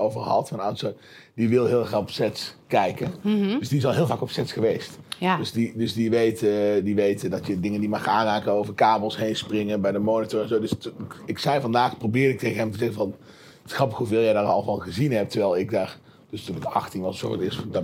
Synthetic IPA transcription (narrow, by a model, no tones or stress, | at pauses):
owvəɹɦɑ̰tfɑnaso | diʋɪlˠɦɪːlˠɛχaːɔpsɛtskɛjkəndøsdiɪsɔlˠɦɪːlˠvaːkɔpsɛtsχəʋejstdøsdidɵsdiʋejtdiʋejtədɑtjədɪŋəndimɑχaːnraːkənowvərkaːblˠsɦejnsprɪŋənbɛjdəmoːnɪtɔɹɛnzodəsɪksɛjvɑndaːxprobɪːɹɾɪk̚tʰejɣənɦɛmtəzɛɣənvɑn | tɪ̥sxrɑpəxɦuvɪːlˠjɛjdaːrɑ̰lˠʋɑlˠχəzinɦɛp̚təɹʋɛjlˠɪk̚daːr | d̥østəmɛtɑ̰xtinɑlˠsoə̰tɪsd